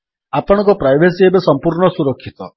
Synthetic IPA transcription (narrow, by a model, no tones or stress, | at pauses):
apɔɽ̃ɔ̃ŋkupɾajbʱes̬iebesɔmpuɾɳɔsuɾɔkʰːit̪ɔ